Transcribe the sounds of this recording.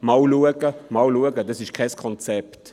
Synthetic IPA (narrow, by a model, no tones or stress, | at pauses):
mɑwluəɡ̥əmɑwluəɡədɑsɪʃkʰɛɪskʰɔnt͡sɛpt